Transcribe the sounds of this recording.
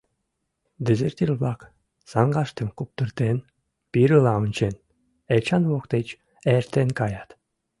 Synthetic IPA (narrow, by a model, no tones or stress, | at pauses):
d̪ĕzert̪ʲilʲβɑk | sɑŋɡɑʃt̪ə̆mkup̚t̪ɨrt̪en | piɾɨlɑunʲt͡ɕen | et͡ɕɑnβokt̪et͡ɕ | eɾt̪enkɑjɑt̪